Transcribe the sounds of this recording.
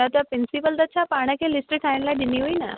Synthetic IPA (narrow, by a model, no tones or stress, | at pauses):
ət̪apɾinsipəld̪ət͡ɕʰapaɽ̃əkẽlisʈəʈʰãɽlaɖiniɦoina̰